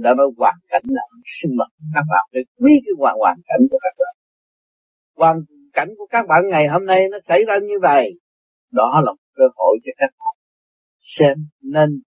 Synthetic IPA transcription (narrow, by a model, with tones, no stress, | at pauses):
ɗa̰˧˦nɔ˨˦jkwaː˨˩nka˧˩jŋ̟naː˨˩ʔsɨ˧ŋmə˨˩ŋ˧˨˦kaː˦˥k̚ɓa̰ː˧˨nfa˧˦k̚wi˨˦kaː˨˦jkwaː˨˩wa̰ː˨˩nka̰˧˩˨jŋ̟ku˧˩əkaː˦˥k̚ɓa̰ː˧˨n | kwaː˨˩n | ka̰˧˩jŋ̟ku˧˩əkaː˦˥k̚ɓa̰ː˧˨nŋa˨˩jɦo˧mna˧jnɔ˨˦sa̰˧˩jzaː˧ɲɨ˧və̰˨j | ɗɔ˨˦laː˨˩mo˨˩kəː˧ho̰˧˨jt͡ɕɔ˧kaː˦˥k̚ɓa̰ː˧˨n | sɛ˧mne˧n